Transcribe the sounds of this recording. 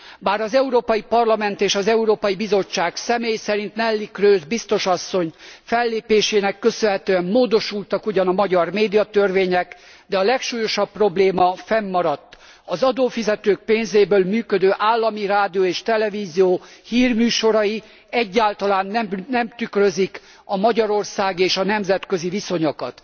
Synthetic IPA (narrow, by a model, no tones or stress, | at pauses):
baːɾɒzɛuɾoːpɒjipɒrlɒmɛnt̪eːʃɒzɛuɾoːpɒjibizo̞t͡ʃːaːksɛmeːjsɛɾint̪nɛlːikrøːzbist̪o̞ʃɒsːo̞ɲfɛlːeːpeːʃeːnɛkːø̞sønɦɛt̪øːɛmːoːd̪o̞ʃult̪ɒkuɟɒnɒmɒɟɒrmeːd̪ijɒt̪ørveːɲɛk | d̪ɛɒlɛkʃuːjo̞ʃɒpːro̞bleːmɒfɛmːɒɾɒt̪ː | ɒzɒd̪oːfizɛt̪øːk̚peːnzeːbøːlmyːkød̪øːʔaːlːɒmiraːd̪ioːeːʃt̪ɛlɛviːzijoːhiːrmyːʃo̞ɾɒji | ɛɟːaːlt̪ɒlaːnːɛmnɛmt̪ykrø̞zik | ɒmɒɟɒɾo̞rsaːɡeːʃɒnɛmzɛt̪køziviso̞ɲokɒ̰t̪